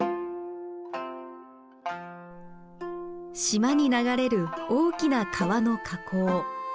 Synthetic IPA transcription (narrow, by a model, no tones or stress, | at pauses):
ɕimaɲ̟inaɡaɾe̞ɾɯ̟o̞ːkʲinakʰaβano̞kʰakʰo̞ː